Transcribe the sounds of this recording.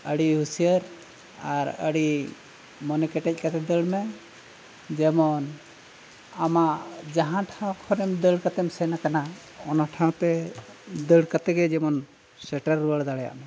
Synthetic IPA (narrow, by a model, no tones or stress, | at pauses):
əɽiɦusijəɾ | aɾə̰ɽi | mɔnɛkɛʈɛc̚ˀkat̪ɛd̪əɽmɛ | d͡ʒɛmɔn | amaʔd͡ʒaɦãʈʰãw̃kʰɔɾɛmd̪əɽkat̪ɛmsɛnakana | ɔnaʈʰãw̃t̪ɛ | d̪əɽkat̪ɛɡɛd͡ʒɛmɔn | sɛʈəɾːuəɽd̪aɽɛja̰ʔmɛ